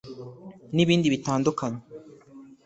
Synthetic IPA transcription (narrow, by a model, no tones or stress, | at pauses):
niβiːndiβitaːndukʰaɲe